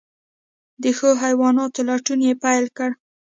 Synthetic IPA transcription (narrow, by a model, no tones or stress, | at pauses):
d̪əxəɦajwɑnɑt̪olaʈunjepajlkəɽ